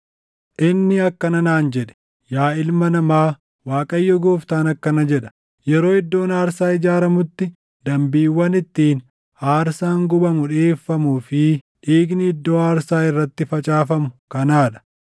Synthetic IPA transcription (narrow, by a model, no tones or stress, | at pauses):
ʔɪnːɪɐkːɐnɐnaːnd͡ʒɛᶑɛ̥ | jaːɪlmɐnɐmaː | waːkʼɐjːɔɡoːft̪aːnɐkːɐnɐd͡ʒɛᶑɐ̥ | jɛɾo̞ːɪd̪ːo̞ːnaːɾsaːɪd͡ʒaːɾɐmʊt̪ːɪ | d̪ɐmbiːwːɐnɪt̪ːiːn | aːɾsaːŋɡʊbɐmʊᶑeːfːɐmuːfɪ | ᶑiːɡnɪɪd̪ːoːaːɾsaːɪrːɐt̪ːɪfɐt͡ʃʼaːfɐmʊ̥kɐnaːᶑɐ̥